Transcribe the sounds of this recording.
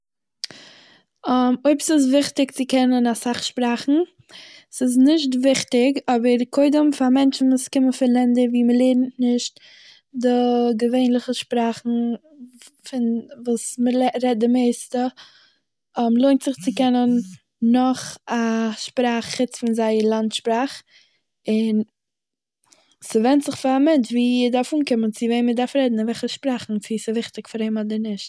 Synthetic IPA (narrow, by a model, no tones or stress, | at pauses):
moɪpəsɪs̬vɪχtɪkt͡sɪkɛnənasaχʃpɾaːχn̩ | sɪs̬nɪʃ̬tvɪχtɪkɔbəɾkʰoɪdəmfamɛnt͡ʃn̩vuːskɪmənfɪɾlˠɛndəɾviːməlˠeɪɾn̩nɪʃt | dɪɡəveɪnlˠɪχəʃpɾaːχn̩ | fɪnvuːsməlɾɛt̚dɪmeɪstə | ɔmlˠoɪntz̥ɪχt͡sɪkɛnənː | ɔχaʃpɾaːχːɪt͡sfɪnzaɪəɾlˠantʃpɾaːχ | ɪn | sɪvɛntz̥ɪχfɪɾamɛnt͡ʃviːɪdaɾfuːnkɪmənt͡sɪveɪmədaɾfɾɛdn̩vɛlχəʃpɾaːχn̩t͡sɪsɪvɪχtɪkfaɾheɪmɔdəɾnɪʃt̚